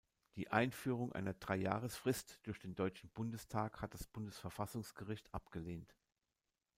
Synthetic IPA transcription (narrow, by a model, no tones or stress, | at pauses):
d̥iːʔa̰ɪnfyːʁ̞ʊŋʔa̰ɪnɐdʁaɪjaːʁ̞əsfʁ̥ɪstd̥ʊɐçd̥eːndɔʏt͡ʃn̩bʊndəstʰaːkhat̚d̥ḁsb̥ʊndəsfɛɐfasʊŋsɡ̥əʁɪçtʰʔapɡ̥əleːnt